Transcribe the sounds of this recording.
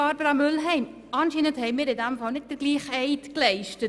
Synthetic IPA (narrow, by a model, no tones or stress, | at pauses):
ɑɾbəɾɑmʏlɦɛɪm | ɑnʃiːnənthɛɪmɪːɾɪdɛmfɑlnɪt̚d̥əɾɡliːχɛɪtklɛɪʃtət